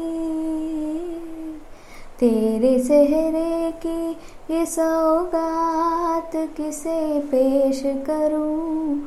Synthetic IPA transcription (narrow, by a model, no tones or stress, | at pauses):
t̪eːɾesɛɦɾeki | esɐɡaːt̪kɪsepeːʃkɐɾũ